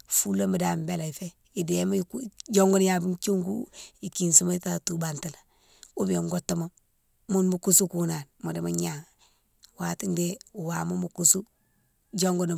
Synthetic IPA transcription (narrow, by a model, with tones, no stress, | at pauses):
fu˦la˦mi˨da˨mbe˦˨la˨i˨fe˦ | i˨de˨ma˦kud͡ʒo˦ŋɡo˦n˦ja˨bi˦nt͡ʃu˦ŋɡu˦i˨ki˨nsu˦ma˦i˦ta˦tu˨ba˨nti˨la˨ | u˦bi˨o˨ŋɡo˦tːa˦ma˦ | mu˦nmu˦ku˦su˦kuna˨nmo˨di˨ma˦ɲa˨ŋ | wa˨ti˦nde˦u˨waː˨mo˦mu˨ku˦su˦ | d͡ʒo˦ŋɡo˦n˨